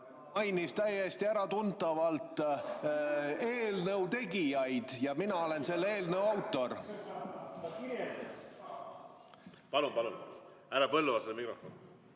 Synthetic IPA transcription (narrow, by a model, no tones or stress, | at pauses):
ɑjnist̪æjest̪iæɾɑt̪unt̪ːˑɑvɑlt̪ˑ | e̞ːlnəwt̪e̞ɡijɑjd̪̥jɑminɑo̞le̞nse̞lːe̞ːlnəwɑwt̪ːˑo̞r | pɑlunpɑlṵn | æɾɑpɤlːuvɑsemikrofon